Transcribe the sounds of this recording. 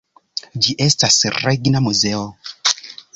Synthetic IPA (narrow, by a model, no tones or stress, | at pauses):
d͡ʒiʔestasreɡnamuzeo